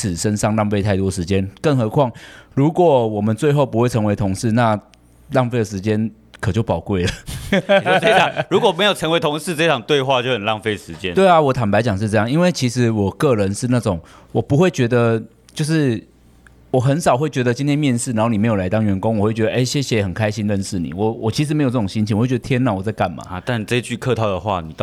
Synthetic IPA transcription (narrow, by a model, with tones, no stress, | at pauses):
t͡s̩ʰ˨˩ʂə˦˥nʂɑ˥˧ŋlɑ˥˧ŋpe˥˧ɪa˥˩ɪt̪wɔ˥ʂɻ̩˧˥t͡ɕjɛ˦˥nkə˥˩ŋxɤ˧˥kʰwɑ˥˩ŋɻu˧˥kwɔ˨˩wɔ˨˩mə˨˦nt͡swe˥˧ɪxo˥˩ʊpu˥xwe˥˩ɪt͡sʰə˧˥ŋwe˧˥ɪt̪ʰʊ˧˥ŋʂɻ̩˥˩na˥˧ | lɑ˥˧ŋfe˥˩ɪd̪ə˩ʂɻ̩˧˥t͡ɕjɛ˦˥n | kʰɤ˨˩t͡ɕjo˥˩ʊpɑ˨˩ʊkwe˥˩ɪlə˩˨˥ | ə˥˧˨ɻu˧˥kwɔ˨˩me˧˥jo˨˩ʊt͡sʰə˧˥ŋwe˧ɪt̪ʰʊ˧˥ŋʂɻ̩˥˧t͡sɤ˥˧i˥ʈ͡ʂʰɑ˨˩ŋt̪we˥˧ɪxwa˥˧t͡ɕjo˥˧ʊxə˨˩nlɑ˥˧ŋfe˥˧ɪ˩ʂɻ̩˧˦t͡ɕjɛ˦nwe˥˩ɪa˨wɔ˧˩t̪ʰa˨˩npa˧˥ɪt͡ɕjɑ˨˩ŋʂ̬ɻ̩˥˧ʈ͡ʂɤ˥˧jɑ˥˩ŋi˦˥nwe˥˩ɪt͡ɕʰi˧˥ʂɻ̩˧˥wɔ˨˩kɤ˥˨ɻə˧˦nʂɻ̩˥˧na˥˩ʈ͡ʂʊ˨˩˦ŋwɔ˨˩pu˧˥xwe˥˩ɪt͡ɕɥɛ˧˥d̪ə˧ | t͡ɕjo˥˧ʊʂɻ̩˥˩ | wɔ˨˩xə˧˦nʂɑ˨˩ʊxwe˥˩ɪt͡ɕɥɛ˧˥d̪ə˧t͡ɕi˥nt̪ʰjɛ˥nmjɛ˥˧nʂɻ̩˥˩a˧˦nho˥˩ni˨˩˧jo˨˩la˧˥ɪt̪ɑ˥ŋɥɛ˧˥nkʊ˥ŋwɔ˨˩xwe˥˩ɥɛ˧d̪ə˧ʔe˥˩ɪɕjɛ˥˩ɕjɛ˧˦˨xə˨˩nkʰa˦ɪɕi˥˦nɻə˥˧nʂɻ̩˥˩nḭ˨˩wɔ˨˩wɔ˨˩t͡ɕʰi˧˥ʂ̬ɻ̩˧me˧˥jt͡sɤ˥˩ʈ͡ʂʊ˨˩ŋɕi˥nt͡ɕʰi˨˦wwt͡ɕd̪t̪ʰjɛ˥nːa˥˨wɔ˨˩t͡sa˥˧ɪka˥˩nma̰˨˩t̪a˥˩nʈ͡ʂɤ˥˧i˦t͡ɕy˥˧kʰɤ˥˧t̪ʰɑ˥˩ʊd̪ə˩xwa̰˥˩ni˨˩˥